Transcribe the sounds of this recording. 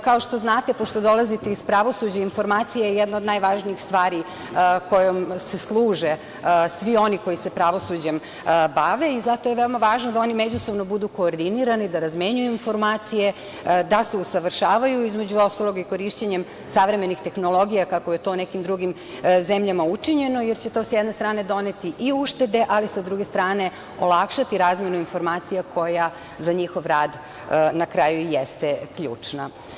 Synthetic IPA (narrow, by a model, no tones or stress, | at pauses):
kao̞ʃt̪o̞znaːt̪epoʃt̪o̞d̪o̞lazit̪eispɾaʋo̞sud͡ʑainfo̞ɾmaːt̪sijejejɛd̪naod̪najʋaːʒniixst̪ʋaːɾi | ko̞jomseslˠuːʒe | sʋio̞niko̞jise̞pɾaʋo̞sud͡ʑem | baʋe̞izat̪o̞jeʋeomaʋaːʒnod̪ao̞nimed͡ʑuso̞ʋnobud̪uko̞ːɾd̪iniɾanid̪aɾazmeɲujuinfo̞ɾmaːt̪sije̞ | d̪aseusaʋr̩ʃaːʋajuizmed͡ʑuo̞st̪alˠo̞ɡiko̞ɾiʃt͡ɕeɲe̞m | saʋɾe̞me̞nixt̪e̞xnolˠo̞ɡijakakojet̪o̞nekimd̪ɾuɡim | zemʎamaut͡ʂiɲe̞nojeɾt͡ɕet̪o̞sjeɛd̪nest̪ɾaːne̞d̪o̞ne̞t̪iʔiuʃt̪e̞d̪e̞ʔalisad̪ɾuɡe̞st̪ɾaːne̞ | olˠakʃat̪iɾaːzmjenuinfo̞ɾmaːt̪sijakʰo̞ja | zaɲixo̞ʋɾaːd̪ | nakɾaːjujest̪ekʎṵːt͡ʂna